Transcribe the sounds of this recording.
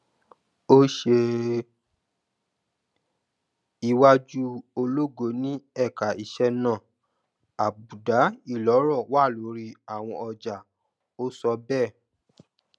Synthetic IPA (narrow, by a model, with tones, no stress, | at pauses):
o˦ʃe˧ | i˧wa˦d͡ʒu˦o˧lo˦ɡo˧˨nĩ˦ɛ˦˨ka˨i˨ʃɛ˧nã˦˨ | a˨bu˨da˨˦i˦˨lɔ˨˦ɾɔ˦˨wa˦˨lo˨˦ɾi˧a˦˨w̃ɔ̃˧ɔ˧d͡ʒa˨ | o˦sɔ˧bɛ˦˨